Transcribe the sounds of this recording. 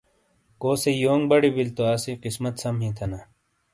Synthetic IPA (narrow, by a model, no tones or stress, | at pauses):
koːsejoːŋɡbɐɽibilt̪oaːsiqismɐt̪sɐmɦĩːt̪ʰɐna